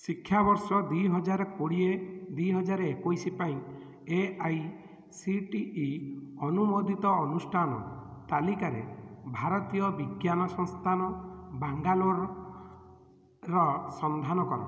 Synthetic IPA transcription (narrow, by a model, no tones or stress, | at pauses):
sikʰːjabɔɾsɔd̪ujɦɔd͡ʒaɾekoɽied̪ujɦɔd͡ʒaɾɔekojsipaĩ | eaj | siʈiːɔnumod̪ʱit̪ɔːnusʈʰanɔ̰t̪alikaɾḛbʱaɾɔt̪ijɔbiɡjanɔsɔŋst̪ʰanɔbaŋɡaloɾ | ɾɔsɔnd̪ʱanɔkɔɾɔ̰